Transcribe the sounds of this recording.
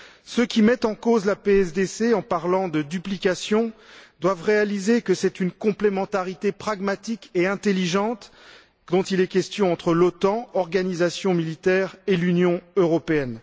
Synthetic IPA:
søkʲimɛt̪ɑ̃kozlapeɛsd̪eseɑ̃paʁlɑ̃d̪əd̪yplikasjɔ̃d̪wavʁealizekəsɛt̪ynkɔ̃plemɑ̃t̪aʁit̪epχaɡmat̪ikeɛ̃t̪eliʒɑ̃t̪ | d̪ɔ̃t̪ilɛkʲɛst̪jɔ̃ɑ̃t̪χəlot̪ɑ̃ɔʁɡanizasjɔ̃milit̪ɛːʁelynjɔ̃øʁɔpeɛn

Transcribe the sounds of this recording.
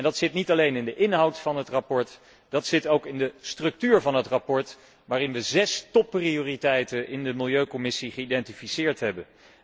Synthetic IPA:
ɛndɑtsɪtnitɑlejnɪndəʔɪnɦɑwtfɑnɦətrapɔɹt | d̥ɑtsɪtowkɪndəstrɵk̚tyːɹvɑnɦətrapɔɹt | ʋaːrɪnʋəzɛstɔpːrioːritɛjtənʔɪndəmɪlˠjøɥkomɪsiχəidɛntifisɪːɹtɦɛbən

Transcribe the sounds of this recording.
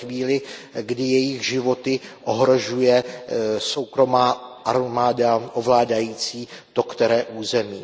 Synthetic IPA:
viːlɪɡdɪjɛjɪɣʒɪvo̞t̪ɪʔoɦɾo̞ʒujɛso̞wkɾo̞maːʔaɾmaːdaʔovlaːdajiːt͡siːt̪o̞kt̪ɛɾɛːʔuːzɛmiː

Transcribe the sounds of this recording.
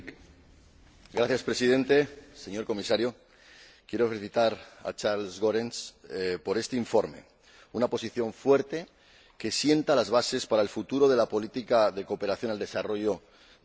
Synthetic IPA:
ɡɾaθjaspɾe̞sið̞e̞nt̪e̞se̞ɲo̞ɾko̞misaɾjo̞ | kje̞ɾo̞fe̞liθit̪aɾa̰t͡ʃaɾlzɣo̞ɾenspo̞ɾe̞st̪e̞iɱfo̞ɾme̞̰ | unapo̞siθjo̞ɱfwe̞ɾt̪e̞ | ke̞sje̞nt̪alazβase̞spaɾae̞lfut̪uɾo̞ð̞e̞lapo̞lit̪ikaðe̞ko̞pe̞ɾaθjo̞nald̪e̞saro̞ʝo̞

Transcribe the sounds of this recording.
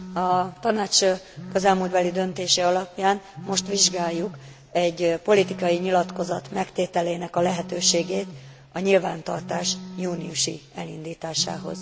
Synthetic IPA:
ɒt̪ɒnaːt͡ʃkøzɛlmult̪bɛlid̪ønt̪eːʃɛɒlɒpjaːnmo̞ʃt̪ʋiʒɡaːjːuk | ɛɟpo̞lit̪ikɒjiɲilɒt̪ko̞zɒt̪mɛkt̪eːt̪ɛleːnɛkɒlɛɦɛt̪øːʃeːɡeːt̪ | ɒɲilvaːnt̪ɒ̰rt̪aːʃjuːnijuʃḭɛlḭnd̪iːt̪aːʃa̰ːɦo̞̰z̥

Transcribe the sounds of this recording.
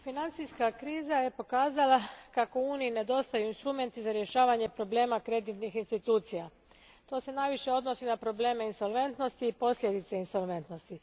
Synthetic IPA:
finant̪sijskakɾiːzaje̞po̞kaːzalakako̞uːniine̞d̪o̞st̪ajuinst̪ɾume̞nt̪izaɾje̞ʃaːʋaɲepɾo̞ble̞ːmakɾe̞d̪it̪nixinst̪it̪uːt̪sija | t̪o̞ːse̞najʋiʃe̞o̞d̪nosinapɾo̞ble̞ːme̞inso̞lˠʋe̞nt̪no̞st̪iːpo̞slʎʲe̞d̪it̪seinso̞lʋe̞nt̪no̞st̪i

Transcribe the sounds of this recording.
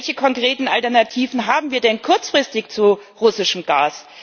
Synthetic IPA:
ɛlçəkʰɔŋkʁ̥eːtn̩ʔaltɛɐnatʰiːvn̩ɦaːbm̩viːɐdɛnkʰʊɐt͡sfʁ̥ɪstɪçt͡suʁʊsɪʃəm̩ɡaːs

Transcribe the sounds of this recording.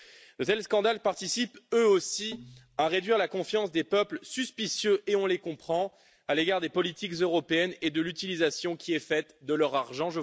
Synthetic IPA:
d̪ət̪ɛlskɑ̃d̪alpaʁt̪isipøosi | aʁed̪ɥiʁlakɔ̃fjɑ̃s̬d̪epœplsyspisjøʔeɔ̃lekɔ̃pχɑ̃ | aleɡaʁd̪epɔlit̪ikzøʁɔpeɛned̪əlyt̪ilizasjɔ̃kʲiɛfɛt̪d̪əlœʁaʁʒɑ̃ʒə

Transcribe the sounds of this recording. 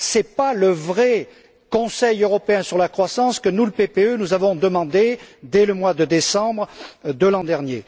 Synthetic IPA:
sɛpaləvʁɛ | kɔ̃sɛjøʁɔpeɛ̃syʁlakχwasɑ̃skənuləpepeønuzavɔ̃d̪əmɑ̃d̪ed̪ɛləmwad̪əd̪esɑ̃bʁd̪əlɑ̃d̪ɛʁnje

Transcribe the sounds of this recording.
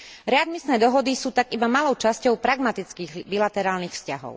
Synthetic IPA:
ɾɛad̪misnɛːd̪ɔɦɔd̪isuːt̪aɡibamalɔʊt͡ʃascɔʊpɾaɡmat̪it͡skiːɣbilat̪ɛɾaːlnixfscaɦɔ̰ʊ

